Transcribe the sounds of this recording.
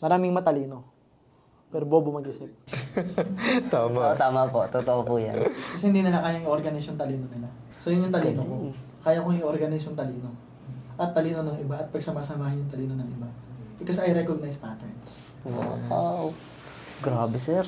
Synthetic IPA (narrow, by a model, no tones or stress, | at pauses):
mɐɾaːmɪŋmɐt̪ɐliːno̞ | pɛːɾoboːbomɐɡʔɪsɪp̚ | t̪aːmat̪aːmapot̪ot̪oʔopuja̰nkɐsɛhɪnd̪iːnɪlɐkajaŋʔoɾɡɐnɪsont̪ɐliːnonɪla | sojʊŋjʊŋt̪ɐliːnoko | kaːjakoŋɪjʔoɾɡɐnɪsont̪ɐliːno̞ | ʔɐt̪ːɐliːnonɐŋɪbaʔɐt̪̚pɐɡsɐmaːsɐmaːhɪnjʊŋt̪ɐliːnonɐŋɪbabɪkosɐjɾɛkoɡ̚najspat̪ɛɹns | o̰aw | ɡɾaːbɛsɛɾ